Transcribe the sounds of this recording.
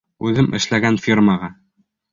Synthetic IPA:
ʉðɘmʔɘ̰̆ʃlæɡænfʲirmɑʁɑ

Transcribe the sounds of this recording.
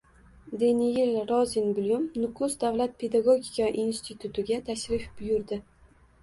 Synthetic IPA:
d̪enɪjɪlɾɒzɪnbʊljʊmnʊkʰʊsd̪avlat̪̚pʰe̞d̪aɡoɡʲikʰaʔinst̪ʰɪt̪ʰʊt̪ʰɪɡʲat̪ʰaʃɾɪfb̥ʊjʊɾd̪ɪ

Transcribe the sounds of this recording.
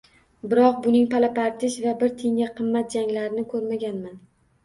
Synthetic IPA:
bɪɾɒq̚bʊnɪŋpʰalapaɾt̪ʰɪʃvabɪɾt̪ʰeŋaqʰɨmːat̪̚d͡ʒaŋlaɾɪnɪkʰɵɾmaɡʲanman

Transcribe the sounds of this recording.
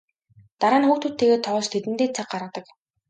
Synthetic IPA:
t̪aɾaːnxuːkt̪ut̪ʰːeːɣeːt̪ʰɔːɮt͡ɕt̪ʰet̪ɘnt̪eːt͡sʰak̚ɢaɾə̆qt̪ə̆k

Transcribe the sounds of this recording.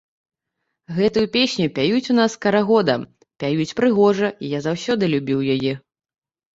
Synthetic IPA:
ɣɛt̪ujupʲesʲnʲupʲajut͡sʲun̪askɐɾaɣɔd̪ɐ̰ | pʲajut͡sʲpɾɨɣɔʐɐijazawsʲɔd̪ɨlʲubʲiwjajɛ

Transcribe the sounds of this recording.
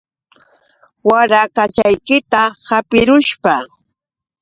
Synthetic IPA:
waɾakat͡ʃajkɪt̪ahapɪɾʊʃpa

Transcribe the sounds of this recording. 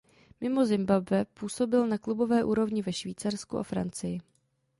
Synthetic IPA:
mɪmo̞zɪmbabvɛpuːso̞bɪlnaklubo̞vɛːʔuːɾo̞vɲɪvɛʃviːt͡saɾskuʔa̰fɾant͡sɪjɪ

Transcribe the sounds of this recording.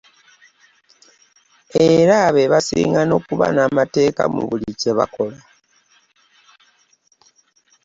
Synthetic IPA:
e̞ɾaβeβasḭːŋɡano̞kuβa̰namate̞ːka̰mṵβulice̞βa̰kʰo̞la

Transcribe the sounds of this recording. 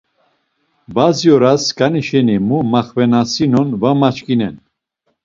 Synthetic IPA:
bazjɔɾaskʰʼaniʃɛnimumaχvɛnasinɔnvamat͡ʃkʼinɛ̰n

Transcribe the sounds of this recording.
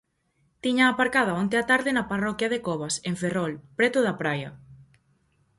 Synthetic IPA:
t̪iɲaːpaɾkað̞ɐont̪eat̪aɾðɪnɐparɔkjɐðekɔβaseɱferɔlpɾɛt̪ʊðɐpɾajɐ

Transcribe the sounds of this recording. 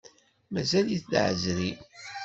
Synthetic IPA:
mæzæljiθd̪ʕə̰zɾi

